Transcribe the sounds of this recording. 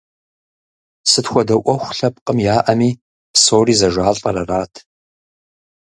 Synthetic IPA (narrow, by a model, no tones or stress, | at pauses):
sɨtxʷɔdɐʔʷɔxʷɬɐp̚ʼqʼəmjaːʔɐmiː | psoːriːzɐʒʷaːɬʼɐɾɐraːtʰ